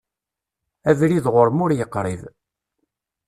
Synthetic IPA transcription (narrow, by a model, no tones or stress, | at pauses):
ævɾiðʁʊɾmʊɾjəqːɾˤið